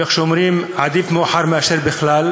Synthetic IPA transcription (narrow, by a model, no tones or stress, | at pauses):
exʃʊmɾiːmʕad̪iːfmʊʔħɑɾˤmaʃiɾbɪxlæːl